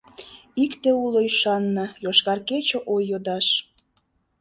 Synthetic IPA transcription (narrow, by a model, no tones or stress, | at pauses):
ikt̪euloiʃɑnːəjoʃkɑrket͡ɕoʔojːod̪ɑʃ